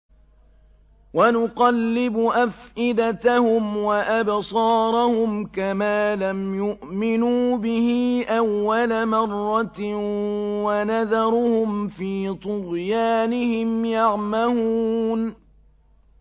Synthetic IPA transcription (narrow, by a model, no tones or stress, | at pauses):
wanʊqɑlːɪbʊʔafʔɪd̪at̪ahʊmwaʔabsˤɑːɾˤɑhʊmkamaːlamjʊʔmɪnuːbɪhiʔawːalamɑrˤːɑt̪ | wanaðɑɾˤʊhʊmfiːt̪ˤʊɾjaːnɪhɪmjɑʕmahuːn